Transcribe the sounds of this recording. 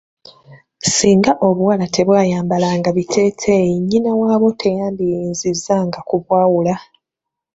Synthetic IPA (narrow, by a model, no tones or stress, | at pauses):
siːŋɡaʔo̞βuwalatʰe̞βwaːjaːmbalaŋɡaβitʰe̞ːtʰejiɲːinawaːβo̞tʰe̞jaːndijiːnzizːaŋɡakuβwaːwula